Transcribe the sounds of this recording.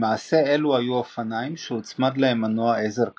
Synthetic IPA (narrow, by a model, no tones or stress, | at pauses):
maʕase̞e̞luajuafanajmʃeut͡smad̪laemanoaʔezeʁk